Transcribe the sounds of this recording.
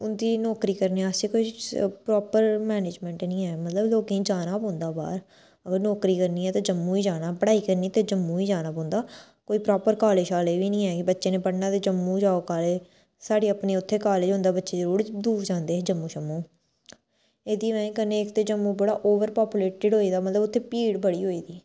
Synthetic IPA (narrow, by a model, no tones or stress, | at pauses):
ʊnd̪iːnɔːkɾiːkəɾneːasekoipɾɔːpəɾmɛːneːd͡ʒmɛ̃ːɳʈnĩːɛːmət̪ləbloːkeĩːd͡ʒaːnaːpɔ̃ːnd̪aːba̰ːɾ | əɡəɾnɔːkɾiːkəɾniːɛːt̪aːd͡ʒəmːũːiːd͡ʒaːnaːpəɽaːiːkəɾniːt̪eːd͡ʒəmːũːiːd͡ʒaːnãːpɔ̃ːnd̪aː | koːiːpɾɔːpəɾkaːleːʃaːleːʋiːnĩːɛːkɪbətːʃeːneːpəɽnaːt̪eːd͡ʒəmːũːd͡ʒaːoːkaːle | saːɽeːəpneːʊt̪ʰːeːkaːled͡ʒɦõːnd̪aːbətːʃeːzəɾuːɾd̪uːd͡ʒãːnd̪eːd͡ʒəmːũːʃəmːũː | eːd̪iːmɛ̃ːkəneːɪkt̪eːd͡ʒəmːuːbəɽaːʔoːʋəɾpaːpjuːleːʈɪɖɦoːiːd̪aːmət̪ləbʊt̪ʰːeːpiːɽbəɽiːɦoːiːd̪iː